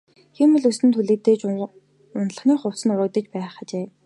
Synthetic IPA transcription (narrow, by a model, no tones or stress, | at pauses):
ximɘ̆ɮusɘ̆nt̪ʰuɮeːt̪eːt͡ɕ | ʊnɮə̆χniːχʊwt͡sə̆nʊɾə̆kt̪ə̆t͡ɕpæːχə̆t͡ɕeː